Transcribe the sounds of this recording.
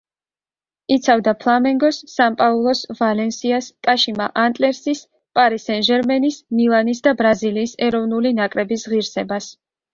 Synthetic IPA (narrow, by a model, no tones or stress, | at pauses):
it̪sʰavd̪apʰlˠamɛŋɡɔsːampʼaulˠɔsvalɛnsiaskʼaʃimaʔant̪ʼlɛɾsis | pʼaɾisɛnʒɛɾmɛnismilˠanisd̪abɾaziliːsɛɾɔvnulinakʼɾɛbisʁiɾsɛbas